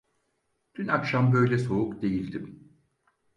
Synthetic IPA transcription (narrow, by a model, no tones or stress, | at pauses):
d̪̥ʰynakʃambø̞jlʲɛso̞ukd̪e̞jilʲd̪im